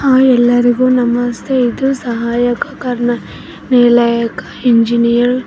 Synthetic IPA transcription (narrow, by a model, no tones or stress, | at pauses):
aːɛlːɐɾiɡuːnɐmːɐst̪ʰeid̪usɐɦaːjɐkɐ̥kaɾɐɳɐ | nelajɐkɐ̥iɲd͡ʒinijɐɾ